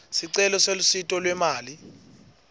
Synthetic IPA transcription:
siǀɛlɔselusitʼɔlwɛmaːli

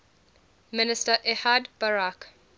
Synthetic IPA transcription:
mɪnɪstəʔɛhadbaɹak

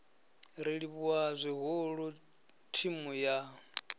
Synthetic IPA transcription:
ɾiɺiβuazʷiɦʊɺu | tʰimuja

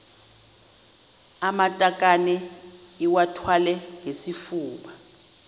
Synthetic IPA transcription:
amatʼakʼanɛiwatʰwalɛŋesifuːɓa

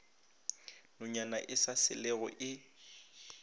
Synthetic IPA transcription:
nʊɲanaʔɪsasɪ̰lɛɣɔ̰ʔɪ

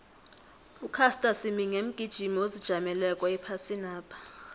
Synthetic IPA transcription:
ukʰastʼasimiŋem̩ɡ̥ʱid̥ʒ̥ʱimiozid̥ʒ̥ʱamɛlɛkʼwaipʰasinaːpʰḁ

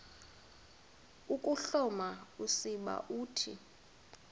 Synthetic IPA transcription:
ukʼuɬɔmausiɓa̰ʔuːtʰḭ

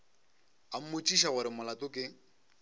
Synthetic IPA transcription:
am̩mot͡ʃʼiʃaɣʊɾɪmʊlatʼʊkʼɪ

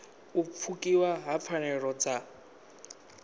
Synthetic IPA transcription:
ufʰukʼiwaɦap̪fʰanɛɺɔd͡za

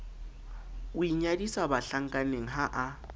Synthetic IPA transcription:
ʊiɲadisabaɬaŋ̩kʼaneŋ̩ɦaʔa

